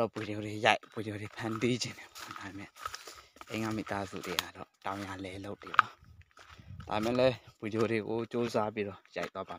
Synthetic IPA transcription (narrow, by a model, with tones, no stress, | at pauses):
ɔ˦˨bwe˨djo˨ɾe˨ja˦ɪʔb̥wi˨djo˨ɾe˨pʰã˨nti˦d͡ʑɪ̃˨ndɛ˨a˨da˨be˨mɛ̰̃˦˨ʔḛ̃˦˨ŋa̰˦˨mḭ˨t̪a˦zṵ˦˨de˨a̰˨dɔ̰˦˨tã˨ʊ̃ja˨lɛ˨lo˦ʊt̪ːe˨ba˨ | d̥a̰˨bɪ˨mɛ̰̃˦˨lɛ˦b̥wi˨djo˨ɾe˨ɡo˨t͡ɕo˦za˦p̬i˦ɾɔ˦˨ja̰˦ɪʔt̪wa˦ba˨˦